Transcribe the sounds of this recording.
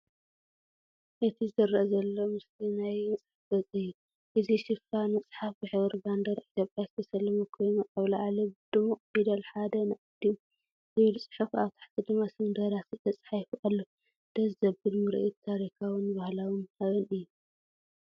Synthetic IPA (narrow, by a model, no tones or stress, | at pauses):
ʔɨt̪ʰiɨɨɾʔɐzɐlːo̞mɨslinajnsʼħafɡɐt͡sʼijːu | ʔɨziʃɪfanɐsʼħafbɨħɨβɐɾband̪ɐɾʔit̪jopʼjakʰɐjsɐlːɐmɐkʰojmɐt̪ʼɐβlaʕalɐbɨd̪̥ɨmuqʼbid̪ɐlħad̪ɐnaʔʼɨd̪im | zɨβɨlsʼɨ̥ħufaβt̪ʰḁħk̪ʰʼɨd̪ɨmasɨnd̪ɐɾasɨt̪ʰɐt͡sʼħajfuʔalːo | d̪̥ɐzzɐbɨd̪mɨɾ̰ʔit̪ʰːaɾikʰawɨnbahlawɨnʔaβɐnɨjːu